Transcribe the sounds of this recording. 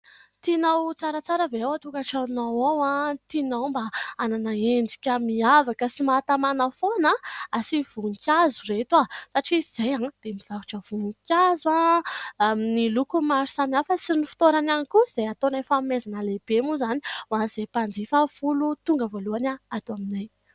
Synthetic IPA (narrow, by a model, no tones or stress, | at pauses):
t̪inowt͡saɾət͡saɾəveawat̪ukaʈ͡ʂanowowat̪inowmbaananaeɳɖ͡ʐikʲəmiavakəsimat̪amanəfonaasiv̥unkʲazuret̪uasaʈ͡ʂiz̥ejaŋd̪̥emiv̥aɦu̥ʈ͡ʂəv̥unikʲazwa | nilukumaɾu̥samiafəsinifi̥t̪oɾananikuz̥ejat̪onajfamezanəleb̥emuzani̥waz̥epand͡zifafulut̪uŋɡəvoluanaat̪oaminaj